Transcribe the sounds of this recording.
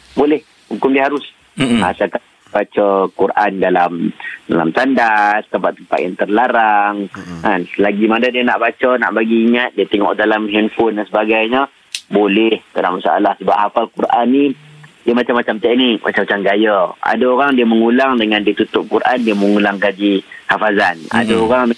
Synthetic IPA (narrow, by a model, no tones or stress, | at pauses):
bolɛh | hukʊmdiəɦaɾʊs | asaka | b̥at͡ʃəkuɾʔandalamdala̰mt̪andast̪əmpat̪ːəmpa̰t̪̚jaŋt̪ərlaɾaŋanslaɡimanədiəna̰ʔbat͡ʃəna̰ʔbaɡiːŋat̪̚diət̪ɛŋɔ̰ʔdalamɦɛnfʊndansəbaɡajɲə | bolɛhtalamasaa̰lahsəba̰ʔ̚hafalkurʔanːidiəmat͡ʃamːat͡ʃamt̪ɛk̚nik̚ma̰t͡ʃamat͡ʃamɡajəa̰dəoɾaŋdiəməŋulaŋdəŋandit̪ut̪ʊp̚kuɾʔandiəməŋulaŋkad͡ʒihafazana̰dəoɾaŋ